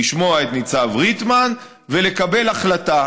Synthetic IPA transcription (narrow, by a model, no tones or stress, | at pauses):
iʃmo̞aet̪nit͡savʁit̪man | ve̞le̞kabe̞laχlata